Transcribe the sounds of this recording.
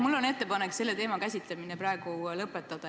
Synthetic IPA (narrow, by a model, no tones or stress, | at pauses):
mulːo̞ne̞t̪ːe̞pɑnekse̞lːe̞t̪e̞ːmɑkæsʲit̪ˑleminepɾrɑeɡ̥ulɤpːˑet̪ːˑɑd̪̥ɑ